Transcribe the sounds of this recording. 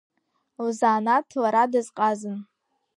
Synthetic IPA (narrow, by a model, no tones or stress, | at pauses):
wuzaːnatʰlaɾadɨzqʼazɨn